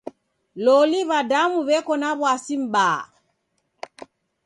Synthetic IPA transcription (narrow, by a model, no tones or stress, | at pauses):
lɔliβadamuβɛkɔnaβwasim̩ɓaː